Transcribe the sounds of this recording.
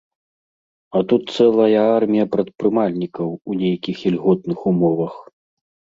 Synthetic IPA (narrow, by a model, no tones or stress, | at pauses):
ɐt̪ut̪̚t̪sɛlˠɐjɐarmʲijɐpɾɐt̪̚pɾɨmalʲnʲikɐwunʲejɐkʲixilʲɣɔt̪̚nɨxumɔvɐx